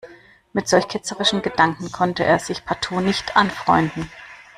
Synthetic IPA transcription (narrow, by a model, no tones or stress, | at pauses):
mɪtz̥ɔlçkʰɪt͡səʁɪʃn̩ɡədaŋkŋ̩kʰɔntəʔḛːɐz̥ɪçpʰatʰuːnɪçtʰʔanfʁ̥ɔʏndn̩